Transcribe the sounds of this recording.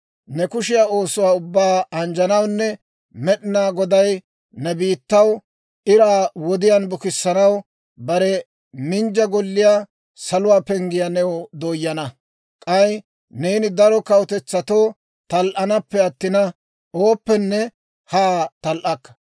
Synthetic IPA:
nɛkʊʃɪjaːo̞ːsʊwaːʊbːaːɐnd͡ʒɐnɐwnːɛ | mɛɗɪnaːɡɔd̪ɐj | nɛbiːt̪ːɐw | ɪɾaːwɔd̪ɪjanbʊkɪsːɐnɐw | bɐɾɛ | mɪnd͡ʒɐɡɔlːɪjaː | sɐlʊwaːpɛŋɡɪjɐnɛwɔd̪oːjːɐnɐ | kʼɐj | neːnɪd̪ɐɾɔkɐwɔt̪ɛt͡sːɐt̪oː | t̪ɐlʔɐnɐpːɛɐt̪ːɪnɐ | oːpːɛnːɛ | haːt̪ɐlʔɐkːɐ̥

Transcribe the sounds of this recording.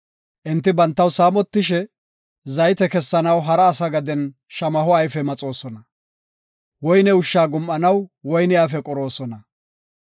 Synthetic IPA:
ʔɪnt̪ːɪbɐnt̪ːɐwsaːmɔt̪ːɪʃɛ | zɐjt̪ɛkɛsːɐnɐwɦɐɾɐːsɐɡɐd̪ɛn | ʃɐmɐɦɔɐjfɛmɐt͡sʼo̞ːsɔnɐ | wɔjnɛʊʃːaːɡʊmʔɐnɐwwɔjnɪjaːfɛkʼɔɾo̞ːsɔnɐ

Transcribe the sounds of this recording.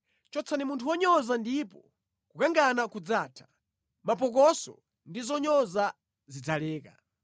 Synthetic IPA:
t͡ʃɔt͡sʰanimuntʰuwɔɲɔzandipɔ | kukaŋɡanakud͡zaːtʰḁ | mapɔk̬ɔsɔ̰ | ndizɔɲɔza | zid͡zalɛːka̰

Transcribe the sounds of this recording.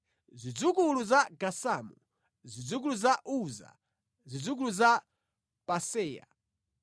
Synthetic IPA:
zʷid͡zukuluzaɡasaːmu | zid͡zuk̬uluzaʔuza̰ | zid͡zukuluza | pasɛːja̰

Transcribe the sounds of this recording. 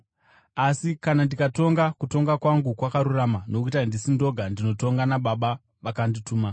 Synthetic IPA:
asikanandikato̞ŋɡakuto̞ŋɡakwaŋɡukwakaɾuramano̞kuitandisindo̞ɡʱandino̞to̞ŋɡanaɓaɓa | ʋakandituːma

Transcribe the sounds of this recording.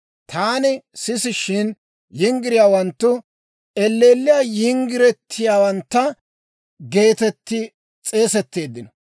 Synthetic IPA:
t̪ʰaːnɪsɪsɪʃɪn | jɪŋɡɪɾɪjaːwɐnt̪ːʊ | ɛlːe̞ːlːɪjaːjɪŋɡɪɾɛt̪ʰːɪjaːwɐnt̪ːɐ | ɡe̞ːt̪ɛt̪ːɪ | t͡sʼe̞ːsɛt̪ːe̞ːd̪ːɪnɔ

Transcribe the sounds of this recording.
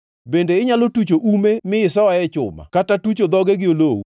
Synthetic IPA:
bendeɪɲalotut͡ʃoʔumemɪɪsɔwaɛt͡ʃʊ̰ma̰katatut͡ʃod̪ɔɡɛɡɪolowu

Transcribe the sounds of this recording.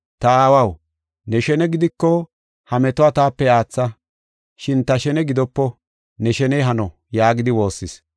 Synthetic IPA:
t̪ɐaːwɐw | nɛʃɛnɛɡɪd̪ɪkːɔ | hɐmɛt̪ʊat̪aːpːɛaːt͡sːɐ | ʃɪnt̪ɐʃɛnɛɡɪd̪ɔpːɔ | nɛʃɛnɛjɦɐnɔ | jaːɡɪd̪ɪwo̞ːsːɪs

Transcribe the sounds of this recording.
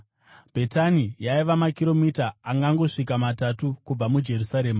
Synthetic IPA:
b̥ʱe̞tanijaiʋamakiɾo̞mitaːŋɡaŋɡo̞ʂikamatatukub͡vamud͡ʒe̞rusaɾe̞ːma

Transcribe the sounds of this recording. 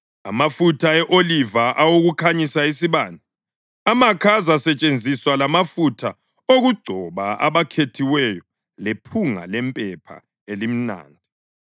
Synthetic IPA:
a̰mafutʰaɛʔolivaʔawoɣukʰaɲisais̬iβaːndʱi | amakʰazasɛt͡ʃʼend͡zʱiswalamafutʰa | oɣuɡ͡ǀʱɔβaa̰βakʰetʰiwɛjɔ | lepʰuŋa̰lɛmpʼɛpʰa̰ | elim̩na̰ːndʱi

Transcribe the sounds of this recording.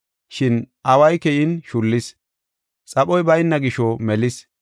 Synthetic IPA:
ʃɪn | ɐwɐjkɛjɪnʃʊlːɪs | t͡sʼɐpɔjbɐjnːɐɡɪʃɔmɛlɪs

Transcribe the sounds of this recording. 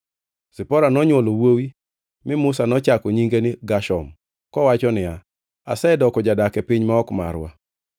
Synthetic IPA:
sɪpɔɾanɔɲwolowowi | mɪmʊsanɔt͡ʃakɔɲiŋɡenɪɡaʃɔm | kɔwat͡ʃɔnɪja | asɛdɔkɔd͡ʒadakɛpɪɲmaɔkma̰ɾwa̰

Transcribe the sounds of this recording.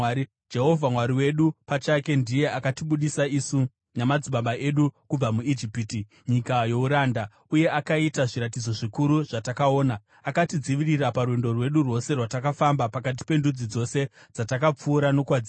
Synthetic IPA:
i | d͡ʒe̞ɦo̞vʱamwaɾiwe̞ɗupat͡ʃake̞ndije̞ʔakatiɓuɗisaisu | namad͡ziɓaɓaʔe̞ɗukub͡vamuid͡ʒipiti | ɲikajo̞uɾaːnda | uje̞ʔakaitaʐiɾat̬id͡zo̞ʐikuɾuʐ̥atakao̞ːna | akatid͡ziʋiriraparwendo̞rwe̞ɗurwo̞se̞rwatakafambapakat̬i̥pe̞ndud͡zid͡zo̞se̞ | d͡zatakap͡fuːɾano̞kwad͡zia

